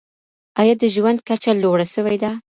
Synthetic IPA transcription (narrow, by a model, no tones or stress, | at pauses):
ɑjɑd̪əʒwand̪̚kat͡ʃaloɽaʃəwajd̪a